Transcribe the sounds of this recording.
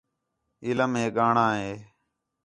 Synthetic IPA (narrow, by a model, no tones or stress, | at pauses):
ɪləmɦeːɠaːɳãːɦeː